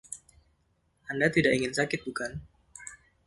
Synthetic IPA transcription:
andat̪idaʔiŋɪnsakɪt̪̚bukan

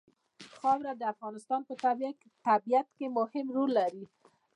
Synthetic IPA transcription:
xɑwɾad̪əafɣɑnɪst̪ɑnpət̪aba | t̪abijat̪kemʊhɪmɾolːaɾi

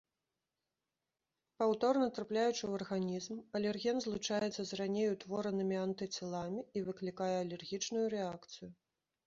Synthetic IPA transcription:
pawt̪ɔrnɐt̪ɾaplʲajut͡ʂɨwɐrɣanʲizmɐlʲɛrɣʲɛnzlˠut͡ʂajɛt̪sːɐzranʲejut̪vɔɾɐnɨmʲiant̪ɨt͡sʲɛlˠamʲiːvɨklʲikajɛɐlʲɛrɣʲit͡ʂnujuɾɛakt̪sɨju

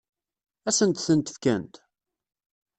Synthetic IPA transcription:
æsənt̪θənt̪ə̥fkænt̪

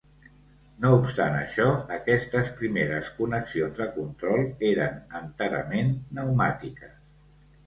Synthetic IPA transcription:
noupst̪anə̰ʃɔəkɛst̪əspɾimeɾəskunəksionzðəkunt̪ɾɔlˠeɾənənt̪əɾə̰menːəwmat̪ikəs

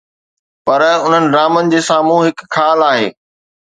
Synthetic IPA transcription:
pɐɾʊn̤ənɪ̆ɾaːmənɪ̆d͡ʑeːsaːmũɦɪkkʰːaːlaːɦḛː

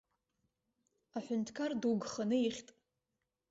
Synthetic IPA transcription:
aħʷʊntʰkʰarduɡχanɨiχʲtʼ

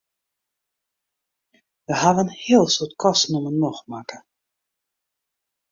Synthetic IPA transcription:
ʋəhaʋənhɪəlˠsutkʰɔstnumənmɔxmakə̥

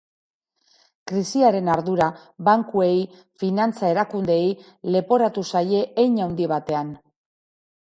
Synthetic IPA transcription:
kɾisiaɾe̞naɾðuɾaβaŋkue̞j | finant͡saeɾakund̪e̞j | le̞po̞ɾat̪usaje̞ʔːjɲawnd̪iβ̞at̪e̞an

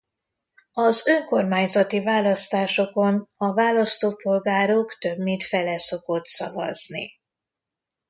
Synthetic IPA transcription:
ɒzøŋko̞rmaːɲzɒt̪ivaːlɒst̪aːʃo̞ko̞nɒvaːlɒst̪oːpo̞lɡaːɾokt̪ø̞bmit̪fɛlɛso̞ko̞t̪sɒ̰vɒ̰znḭ

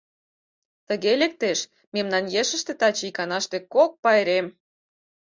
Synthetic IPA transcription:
t̪əɣelek̚t̪eʃ | memnɑnjeʃə̆ʃt̪ĕt̪ɑt͡ɕikɑnɑʃt̪ekok̚pɑeɾem

